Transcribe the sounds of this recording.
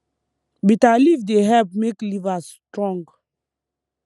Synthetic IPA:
bitalivdeɦɛp̚meklivastɹɔ̃ŋɡ

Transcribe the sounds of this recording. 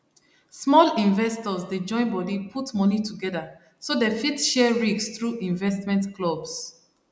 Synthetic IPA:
smɔlĩɱvɛstɔzded͡ʒɔ̃ɪ̃nbɔdipʰutmɔnitʰuɡɛða | sodefitʃɛɹiksθɹuĩɱvɛstmɛ̃ntklɔbs

